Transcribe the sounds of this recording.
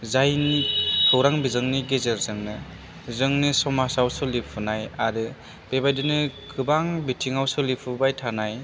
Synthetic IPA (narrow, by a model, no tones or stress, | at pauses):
zajnikʰɯwɾaŋbizɯŋniɡezeɾzɯŋnɯ | zɯŋnisɔmasawsɯlipʰunajaɾɯ | b̥ebajdɯnɯkʰɯbaŋbitʰiŋawsɯlipʰubajtʰanaj